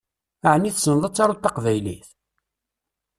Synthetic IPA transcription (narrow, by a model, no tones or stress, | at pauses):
aʕənːiθsənðˤət͡sːɑɾut̪ːɑqvæjlḭθ